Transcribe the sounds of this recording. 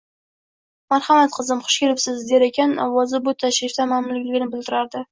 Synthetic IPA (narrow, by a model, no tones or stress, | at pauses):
maɾhamat̪̚qʰɨzɪmχʰʊ̥ʃkʲelɪpsɪzd̪e̞ɾekʲʰanɒvɒzɪbʊt̪ʰaʃɾɪft̪amamlɪkʲlɪɡʲɪnɪbɪld̪ɪɾaɾd̪ɪ